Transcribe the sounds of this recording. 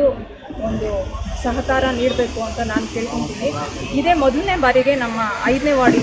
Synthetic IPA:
u | ond̪usɐɦɐkaːɾɐniːɽbe̞ːkuɐnt̪ɐnaːnuke̞ːɭikoɳt̪iːniid̪e̞ːmɔd̪ɐlne̞baːɾiɡe̞nɐmːɐɐjd̪neːʋaːɽi

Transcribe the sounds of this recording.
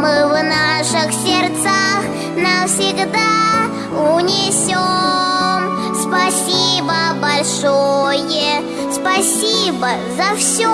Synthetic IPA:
mɨvnaʂɨxsʲɪrt̪sax | nəfsʲɪɡd̪a | ʊnʲɪsʲo | m | spɐsʲibəbɐlʲʂojə | spɐsʲibə | zɐfsʲo

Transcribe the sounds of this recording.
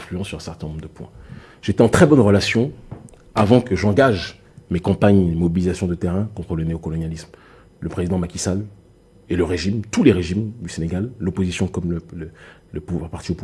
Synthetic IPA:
flyɑ̃sːyʁɛ̃sɛʁt̪ɛ̃nɔ̃mbʁd̪əpwɛ̰̃ | ʒ̥et̪ɛɑ̃t̪χɛbɔnʁəlasjɔ̃ | avɑ̃kəʒɑ̃ɡaʒ | mekɑ̃paɲemɔbilizasjɔ̃d̪ət̪eʁɛ̃kɔ̃t̪χələneokɔlɔnjalism | ləpχezid̪ɑ̃makʲisal | eləʁeʒimt̪uleʁeʒimd̪yseneɡalːopozisjɔ̃kɔmlələləpuvaʁpaʁt̪iopu

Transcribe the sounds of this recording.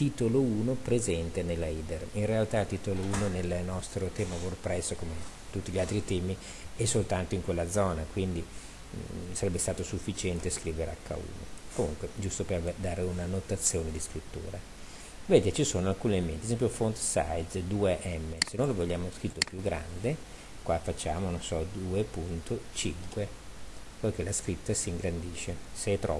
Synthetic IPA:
t̪iːt̪olouːnopɾezɛnt̪enelːaiːd̪erinrealt̪at̪iːt̪olouːnonelnɔst̪ɾot̪ɛːmaworpɾɛsːokomet̪ut̪ːiʎialt̪ɾit̪ɛːmi | ɛsːolt̪ant̪oiŋkwelːad̪zɔːnakwind̪i | saɾɛbːest̪aːt̪osufːit͡ʃɛnt̪eskɾiːveɾea̰kːa̰ṵːno̰komuŋkwed͡ʒust̪opervd̪aːɾeunanot̪at̪sːjoːned̪iskɾit̪ːṵːɾa | vet̪et͡ʃisoːnoalkuːnement̪iɛzɛmp̬jofont̪sa̰jd̪d̪uːeʔɛmːesenːojlovoʎːaːmoskɾit̪ːopjuɡːɾa̰nd̪e | kwafat͡ʃːaːmononsɔd̪uːepunt̪ot͡ʃiŋkwe | pok̟elaskɾit̪ːasiːŋɡɾand̪iːʃeseɛt̪ːɾɔ

